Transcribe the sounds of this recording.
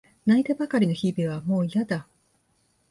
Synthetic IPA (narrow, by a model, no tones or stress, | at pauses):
naiɡ̪ebakaɾʲino̞çibiβamo̞ːijad̪a